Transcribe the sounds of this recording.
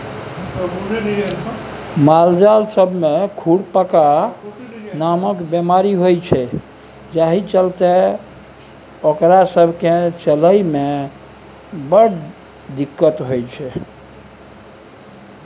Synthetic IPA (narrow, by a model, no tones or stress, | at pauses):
mald͡ʒalsəbʱmekʰuɽpəka | naməkbemaɾiɦojt͡ʃʰɛ | d͡ʒaɦit͡ʃəlt̪ɛ | okɾasəbʱket͡ʃələjme | bəɽ | d̪ikːət̪ɦojt͡ʃʰɛ